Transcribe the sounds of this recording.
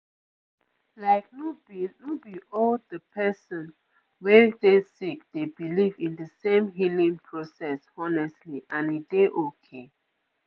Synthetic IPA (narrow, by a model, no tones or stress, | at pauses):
laɪk̚nubinubiʔɔldəpʰɛsɔ̃n | wɛdesik̚d̥ebilivĩndəsẽmɦilĩŋpʰɹosɛsɔnɛstliʔãnideʔokʰe